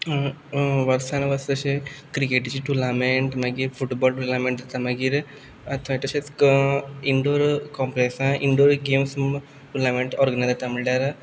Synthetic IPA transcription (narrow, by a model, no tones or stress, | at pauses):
ʋɐɾsaːnɐʋɐst̪ɐt͡ʃikɾikeʈit͡ʃiʈulameɳʈmɐɡiɾfuʈboːlʈulameɳʈ̪t̪ɐmɐɡiɾ | ɐt̪ʰʋɐʈɐt͡ʃeskiɳɖoːɾkoːmpɾesɐ̃ʔiɳɖoːɾɡeːmsm | ʈulameɳʈoːɾɡɐnajzɐt̪ɐmiɭɖaːɾɨ